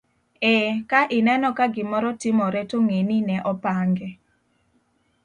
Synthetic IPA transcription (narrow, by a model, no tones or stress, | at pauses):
ɛkaʔɪnɛnɔkaɡɪmɔɾɔtɪmɔɾɛtoŋeninɛʔɔpaŋɡɛ